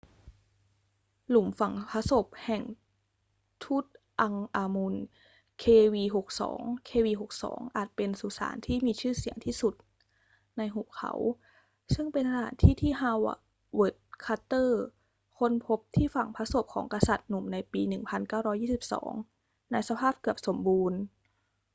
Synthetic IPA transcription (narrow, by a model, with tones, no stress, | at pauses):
lu˨˩˦mfa˨˩ŋpʰa˧˥so˨˩p̚hɛ˨˩ŋ | t̪ʰu˦˥˩t̪̚ | ʔa˧ŋʔaː˧mu˧n | kʰeː˧wiː˧ɦo˨˩k̚sɔ̰ː˩˦ŋkʰeː˧wiː˧ɦo˨˩k̚sɔ̰ː˩˦ŋʔa̰ː˨˩t̪̚pe˧nsu˧˩sa̰ː˩˦nt̪ʰiː˥˩miː˧t͡ɕʰɯː˥˩si˨˩˦əŋt̪ʰiː˥˩su˨˩t̪̚ | na˧jɦu˨˩kʰa̰˨˩˦w | sɯ˥˩ŋpe˧nsa˧t̪ʰa̰ː˩˦nt̪ʰiː˥˩t̪ʰiː˥˩ɦa˧˥˩wʔa̰˨˩ | wɤ˨˦˩t̪̚kʰa˧˥t̪ːɤː˥˩ | kʰo˧˥˨npʰo˧˦˥p̚t̪ʰiː˥˩fa˨˩ŋpʰa˧˥so˨˩p̚kʰɔː˩˦ŋka˧sa˨˩t̪̚nu˨˩mna˧jpiː˧nɯ˨˩ŋpʰa˧nkaː˥˩wɾɔː˦˥jːiː˥˩si˨˩p̚sɔ̰ː˩˦ŋ | na˧jsa˧pʰaː˥˩p̚kɯ˨˩əp̚so˩˦mbuː˧n